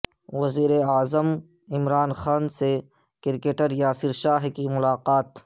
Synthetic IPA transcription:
ʋɐziːɾeaːzəm | ɪmɾaːnxaːnse | kɪɾkeːʈəɾjaːsɪɾʃaːɦkimʊlaːqaːt̪

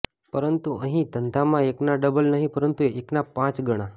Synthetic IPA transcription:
pəɾənt̪uə̃ɦĩt̪ənt̪ʰamãeknaɖəbəlnaɦipəɾənt̪ueknapãt͡sɡəɽ̃a

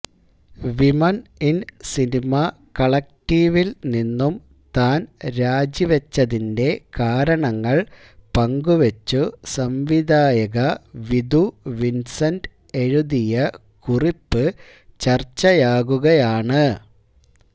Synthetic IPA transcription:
ʋimɐninsinimɐ | kɐɭɐk̚ʈiːʋilninːum | t̪aːnɾaːd͡ʑiʋɐt͡ɕːɐðinde̞kaːɾɐɳɐŋːɐɭ | pɐŋɡuʋet͡ɕːusɐmʋid̪ʱaːjɐɣɐʋid̪uʋinsɐnd | e̞ɻuðijɐ | kuripːɨ | t͡ɕɐrt͡ɕːɐjaːɣuɣɐjaːɳɨ

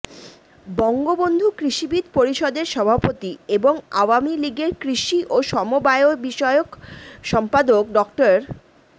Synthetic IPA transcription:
bɔŋɡobond̪ʱukɾiʃibid̪ʱpoɾiʃɔd̪eɾʃɔbʱapot̪ieboŋawamiliɡeɾkɾiʃiʔoʃɔmobaeobiʃɔeokʃɔmpad̪ok̚ɖɔkʈoɾ

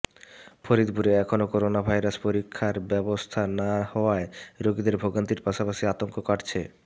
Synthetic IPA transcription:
fʰoɾid̪buɾeɛkʰonokoɾonabʱajɾaspoɾikʰːaɾbɛbost̪ʰanahɔoaeɾoɡid̪eɾbʱoɡant̪iɾpaʃapaʃiat̪oŋkokaʈt͡ɕʰe

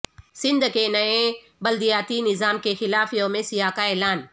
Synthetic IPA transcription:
sɪ̃nd̪kenɐẽ | bɐld̪ijaːt̪inɪzaːmkexɪlaːfjomẽsɪjaːkaeːlaːn

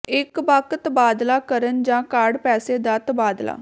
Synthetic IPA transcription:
ɪkbakt̪baːd̪laːkəɾənd͡ʒãːkaːɾɖpɛːseːd̪aːt̪baːd̪la̰ː

